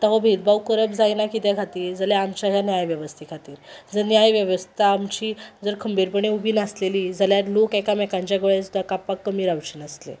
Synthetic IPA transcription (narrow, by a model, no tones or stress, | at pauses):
t̪aɦobʱed̪̚bawkəɾəbd͡zajnakit̪jakʰat̪iːɾd͡zəljaamt͡ɕaɦjanjajʋjəʋəst̪ʰikʰat̪iːɾd͡zəɾnjajʋjəʋəst̪ʰaːmt͡ɕiːd͡zəɾkʰəmbiɾpəɳeubʱiːnasleliːd͡zaljaɾlokakamɛkãɲt͡ɕjaɡəɭesud̪akapakːəmiːɾawt͡ɕiːnəslḛ